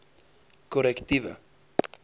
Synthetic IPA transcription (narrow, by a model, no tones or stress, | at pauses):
koɾekt̪iva̰